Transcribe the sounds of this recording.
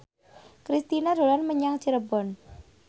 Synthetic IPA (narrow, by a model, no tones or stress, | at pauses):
kɾist̪inad̪o̤lanməɲaŋt͡ʃəɾəbɔn